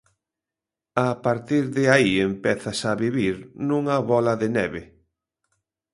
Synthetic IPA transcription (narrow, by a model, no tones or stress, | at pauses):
apaɾt̪iɾðɪaiempɛθɐsaβiβiɾnũŋɐβɔlɐðenɛβe